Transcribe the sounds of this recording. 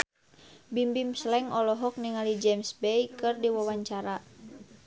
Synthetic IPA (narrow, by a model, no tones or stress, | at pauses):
bimbimslɛŋɔlɔɦɔk̚niŋalid͡ʒɛmsbɛjkɨrdiwawaɲt͡ʃaɾa